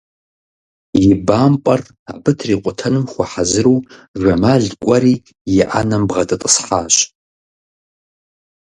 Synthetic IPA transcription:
jibampʼɐr | abɨtʰriːqʷʼʊtʰɐnɨmχʷaħazɨɾuʒᶣʷamaɮkʷʼɐɾi | jɪʔanɐmbʁɐtʼɨtʼɨsħaːɕ

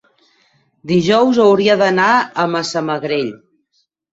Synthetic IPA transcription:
d̪iʒɔwzəwɾiəðənaəməsaməɣɾeʎ

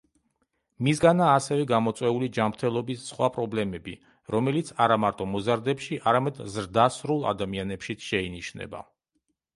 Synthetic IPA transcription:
misɡanaːsɛvɛɡamɔt̪sʼwɛulid͡ʒamɾt̪ʰɛlˠɔbisːχwapʼɾɔblɛmɛbi | ɾɔmɛlit̪sʰaɾamaɾt̪ʼɔmɔzaɾd̪ɛpʃiʔaɾamɛd̪zɾd̪asɾulˠa̰d̪amianɛpʃit̪sʰʃɛiniʃnɛ̰ba̰

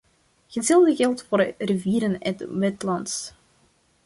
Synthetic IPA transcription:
ɣəzɪlˠdəɣɛlˠtfoːrriviːɾənɛ̰tʋɛtlɑnts

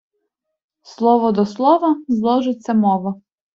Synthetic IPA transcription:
slˠɔʋɔd̪ɔslˠɔʋɐzlˠɔʒɪt͡sʲːɐmɔʋɐ

